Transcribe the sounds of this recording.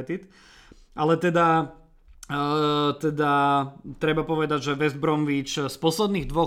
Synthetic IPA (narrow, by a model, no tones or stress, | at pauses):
t̪it̪ | ʔalɛt̪ɛd̪a | t̪ɛd̪at̪ɾɛbapɔʋɛd̪aɟʒɛʋɛzbɾɔmʋit͡ʃspɔslɛd̪niːɣd̪ʋɔ